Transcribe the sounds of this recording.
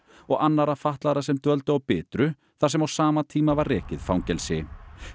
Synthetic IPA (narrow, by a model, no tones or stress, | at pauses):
ɔɣanːaɾafaht̪laɾasɛmt̪œlt̪ʏawpɪːt̪ɾʏ | θaɾ̥sɛmawsaːmat̪ʰiːmavaɾːɛːcɪðfawŋcɛlsɪ